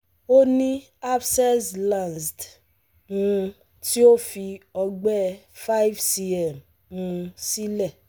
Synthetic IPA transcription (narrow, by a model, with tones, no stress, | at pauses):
o˦nĩ˦ | a˦bsɛ˦slã˨nsd | ũ˧ | ti˦o˦fi˧ɔ˧ɡ͡bɛ˦ | fa˦jvsi˦ɛ˦˨m | ũ˧si˦lɛ˦˨